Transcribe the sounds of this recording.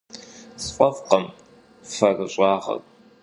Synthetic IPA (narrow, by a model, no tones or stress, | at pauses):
sfʷʼɐfqɐm | fɐrɨɕʼɑːʁɐ̰r